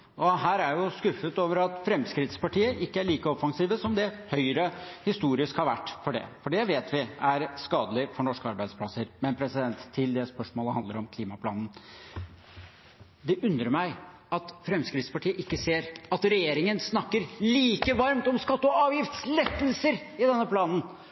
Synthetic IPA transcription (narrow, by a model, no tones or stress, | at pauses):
ʔɔɦæːɾæɾjʊskʉfːət̪oːʋəɾɑt̪fɾɛmskɾɪt̪spɑʈiːəʔɪkːəæɭiːkəɔfɑŋsiːʋəsɔmd̪ɛhœʏɾəhɪst̪uːɾɪskhɑɾʋæʈːfɔɖɛ̰fɔɖɛʋeːt̪ʰʋɪæɾskɑːd̪əlɪfɔɳɔʂkəɑɾbæɪd̪splɑsəɾmɛnpʰɾɛsɪd̪ɛnt̪ʰːɪld̪ɛspœʂmoːləhɑnd̪əɾɔmkʰliːmɑpʰlɑːnn | d̪ɛʔʉnd̪ɾəɾmæɪ | ɑt̪fɾɛmskɾɪt̪spɑʈʰiːəʔɪkːəseːɾɑt̪ɾɛjeːɾɪŋənsnɑkːəɾliːkəʋɑɾmt̪ɔmskɑt̪ːɔɑːʋjɪft̪slɛt̪ːəlsəɾ | ɪd̪ɛnːəpʰlɑːnn̩